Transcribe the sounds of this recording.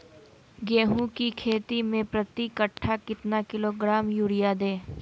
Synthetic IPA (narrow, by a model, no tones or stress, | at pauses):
ɡeːɦũkikʰeːt̪imẽpɾət̪ikəʈʰːakɪt̪nakɪloːɡɾaːmjuːɽɪjad̪eː